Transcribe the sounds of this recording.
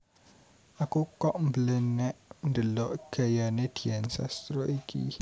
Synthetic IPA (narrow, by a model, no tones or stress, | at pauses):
akukɔʔm̩bəlenɛʔn̩dəlɔʔkejaned̥iɛnsa̰st̪ɾoʔikʰḭ